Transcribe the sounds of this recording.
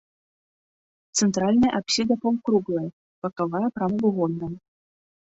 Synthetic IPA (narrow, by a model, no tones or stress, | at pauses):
t̪sɛnt̪ɾalʲnɐjɐʔapsʲid̪ɐpɔmkɾuɣlˠɐj | pɐkavajɐpɾamɐɡuɣɔnːɐm